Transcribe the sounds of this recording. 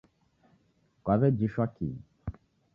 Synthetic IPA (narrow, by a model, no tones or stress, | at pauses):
kwavɛd͡ʒiʃakḭ